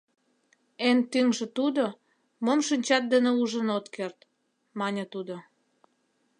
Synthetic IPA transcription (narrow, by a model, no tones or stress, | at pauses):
ent̪yŋʒĕt̪ud̪o | momʃinʲt͡ɕɑt̪̚d̪əneuʒənot̪kert̪ | mɑnʲət̪ud̪o